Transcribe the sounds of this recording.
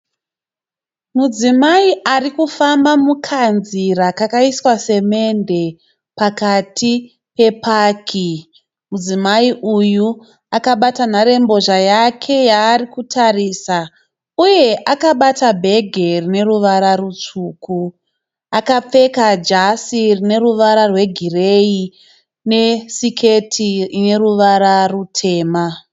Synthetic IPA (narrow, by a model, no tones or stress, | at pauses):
mud͡zimaiʔarikufambamukʰanziɾakakaiswase̞me̞nde̞ | pakatʰi | pe̞pakʰi | mud͡zimaiʔuju | akaɓatanaɾe̞mbo̞ʐajakʰe̞jaːrikutʰariːsa | uje̞ʔakaɓatabʱe̞ɡʱe̞rine̞ruʋaɾarut͡ʂuːku | akap͡fe̞kad͡ʒasirine̞ruʋaɾarwe̞ɡʱirei | nesikʰetʰirine̞ruʋaɾarutʰe̞ːma